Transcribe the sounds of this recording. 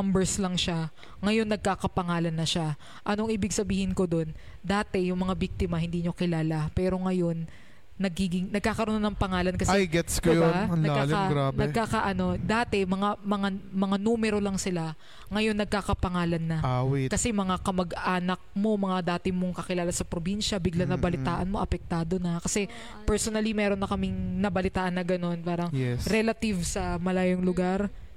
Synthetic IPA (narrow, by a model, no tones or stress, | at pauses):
ɐmbɛɹslɐŋʃa | ŋɐjo̞nːɐɡ̚kakɐpɐŋaːlɐnːɐʃa | ʔɐnoŋʔiːbɪɡ̚sɐbiːhɪnko̞d̪o̞n | d̪aːt̪ɛjʊŋmɐŋabik̚t̪ɪmɐhɪnd̪iːɲokɪlaːlapɛːɾo̞ŋɐjo̞nː | ɐɡiːɡɪŋnɐɡ̚kaːkɐɾononɐŋpɐŋaːlɐnkɐsɛjɡɛt̪skjolɐaaːlaɡɾaːnbɐkaːkaʔɐno̞d̪aːt̪ɛmɐŋamɐŋamɐŋanuːmɛɾo̞lɐŋsɪla | ŋɐjo̞nːɐɡ̚kakɐpɐŋaːlɐnːɐʔawikɐsɛmɐŋakɐmɐɡaːnɐk̚mo̞mɐŋad̪aːt̪ɪmo̞ŋkɐkɪlaːlɐsɐpɾobinʃɐbɪɡlanɐbɐlɪt̪aːʔɐnmo̞ʔɐpɛk̚t̪aːd̪o̞nɐkɐsɛ | pɛɹsonɐlimɛːɾo̞nːɐkɐmɪŋnɐbɐlɪt̪aːʔɐnːɐɡɐno̞npaːɾɐŋjɛsɾɛlɐt̪ɪvsɐmɐlaːjoŋlʊɡaɾ